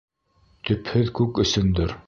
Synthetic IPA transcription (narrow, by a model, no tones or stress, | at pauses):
t̪ɵ̆phɘðkʉkɵ̆sɵnd̪ɘɾ